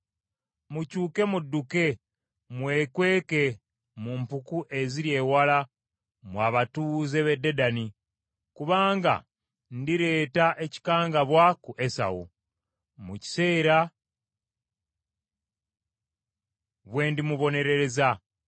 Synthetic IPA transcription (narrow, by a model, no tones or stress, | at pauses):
mucuːke̞mudːuke̞ | mwe̞ːkwe̞ːke̞ | mumpukuʔe̞ziɾje̞ːwala | mwaβatuzeβe̞dːe̞dani | kuβaːŋɡa̰ | ndiɾe̞ːtaʔe̞ci̥kaːŋɡaβwakuʔe̞sa̰wṵ | muci̥se̞ːɾa | βwe̞ːndimuβo̞ne̞ɾe̞ɾe̞za